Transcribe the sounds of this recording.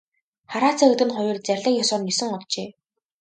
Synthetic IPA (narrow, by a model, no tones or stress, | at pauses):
χaɾaːt͡sʰaːɵt̪ɘ̆nχʊjʊ̆rt͡særʲɮə̆ːkjɔsɔːrnʲisɘ̆ŋɔɮt͡ɕeː